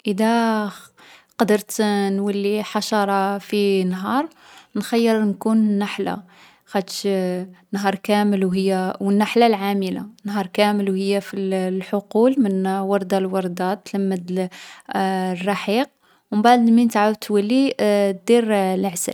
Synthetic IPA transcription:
ʔəd̪æ | qɑd̪əɾt̪nwælːiħɑʃɑɾˤɑfinɦɑɾˤ | nxæjːəɾnkunnːaħla̰ | xæt̪ʃnɦɑɾˤkæməlwɦəjːawənːaħlalʕaməla̰nːɦɑɾˤkæməlwhəjːafilħʊqulmənwɑɾˤd̪ɑlwɑɾˤd̪ɑt̪ːləmːəd̪ | rˤːɑħiq̚ | wmbaʕd̪lmint̪aʕawt̪ːwælːid̪iɾləʕsə̰l

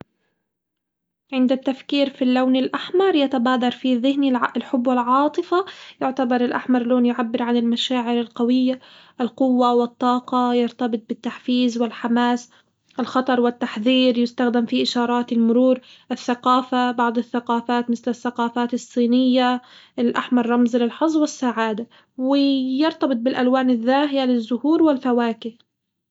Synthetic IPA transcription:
ʕɪnd̪at̪ːafkiːɾfilːawnɪlʔaħmɑɾˤjat̪abaːd̪ɑɾˤfiðɪhniɪlħʊbːwɪlʕɑːt̪ˤɨfajʊʕt̪abɑɾˤɪlʔaħmɑɾˤloːnjʊʕabːɪɾʕanɪlmaʃaːʕɪɾɪlqawɪjːaʔlqʊwːawɪt̪ˤːɑːqɑjɑɾt̪ɑbɨt̪̚ˤbɪt̪ːaħfiːzwɪlħamaːs | ʔɪlxɑt̪ˤɑɾˤwɪt̪ːaħðiːɾjɪst̪axd̪ɪmfiʔɪʃɑːɾˤɑːt̪ɪlmʊɾuːɾʔɪθːaqaːfabɑʕd̪ˤɨθːaqɑːfaːt̪mɪθlɪθːaqɑːfaːt̪ɨsˤːiːnɪjːaɪlʔaħmɑɾˤːɑmzlɪlħɑzˤwɪsːaʕaːd̪a | wɪjɪɾt̪ɑbɨt̪̚bɪlʔalwaːnɪðːaːɦɪjalɪzːʊhuːɾwɪlfawaːkɪh

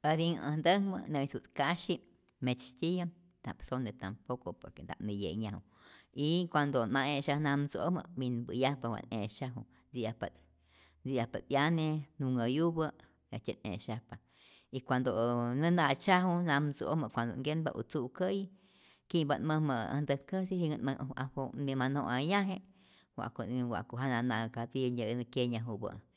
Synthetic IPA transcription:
ad̪iŋə̰̃nd̪əŋmə̰nesut̪kaʃi | met͡ʃt̪ʲija | na̰psonet̪ampokopo̰ɾkend̪a̰ʔnijḛɲãu | ikʷand̪onmaʔeʃahnamt͡so̰mə̰binbɨjapawa̰neʃaɦu | d͡zijapa | d͡zijapat̪janenuŋajubə | jat͡ʃʲanʔḛ̃ʃapa | ikʷand̪onə̃nãt͡ʃaɦunãmt͡so̰mə̃ʔkʷand̪o̰ŋɡenba̰ʔṵt͡sukə | kibanmə̃mə̃a̰nd̪əkəsiɦiŋənməʔaomĩmãnõʔajãɦẽʔ | wa̰ʔkowa̰ʔkoɦanãnãkat͡siɲənə̃kjeɲãɦubə̰

